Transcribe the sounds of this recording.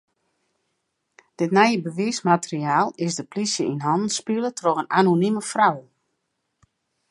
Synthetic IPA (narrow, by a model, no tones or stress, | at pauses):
d̥ɪtnɛjəbəʋiːsmatəriaːlˠɪsdəplisjəʔinɦɔndən̩spilətʰrɔxənanoniməfraw